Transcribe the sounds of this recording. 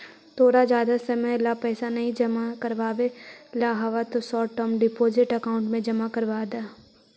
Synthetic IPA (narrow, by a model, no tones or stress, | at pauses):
t̪ʰoːɾad͡ʒjaːd̪asɐməlapɛːsanɐɦĩd͡ʒɐmakɐɾʋaːʋelaːɦɐʋat̪osɔːʈɔmɖɪpoːzɪʈɐkaːʊ̃ɳʈmẽd͡ʒɐmakɐɾʋaːd̪aː